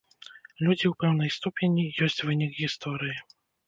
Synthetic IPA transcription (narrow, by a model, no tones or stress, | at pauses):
lʲud͡zʲiwpɛwn̪ɐjst̪upʲenʲijɔsʲt͡sʲvɨnʲikɣʲist̪ɔɾɨji